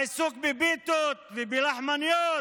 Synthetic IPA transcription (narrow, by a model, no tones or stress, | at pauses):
suk̚bibit̪ot̪vibilaħmanjo